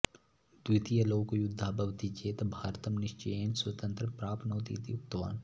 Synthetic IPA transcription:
d̪̥wɪt̪ijɐloːkojʊd̪ʱːaːbɐʋt̪it͡ʃeːt̪bʱaːɾt̪ɐmnɪʃt͡ʃɐjenswɐt̪ə̃nt̪ɾəpɾaːpʰnoːt̪ḭːt̪iuk̚t̪ːɐʋa̰ːn

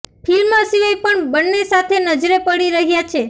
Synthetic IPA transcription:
pʰilmãsiʋəjpəɳbənːesat̪ʰenəd͡ʒɾepəɽiɾəɦjat͡ʃʰe

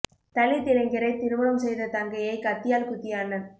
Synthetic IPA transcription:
t̪ɐlɪt̪ːɪlɐŋɡɪɾɐɪt̪ɪɾɯʋɐɽɐmsɛjðɐt̪ɐŋɡɐjɐɪkɐt̪ːɪjaːlkʊt̪ːɪjaːnɐn

